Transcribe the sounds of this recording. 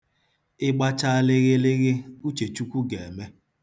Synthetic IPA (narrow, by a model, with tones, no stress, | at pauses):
ɪ˦ɡ͡ba˦t͡ʃa˦lɪ˦ɣɪ˦lɪ˦ɣɪ˦u˦t͡ʃe˨t͡ʃu˦kʷu˦ɡe˨e˨me˦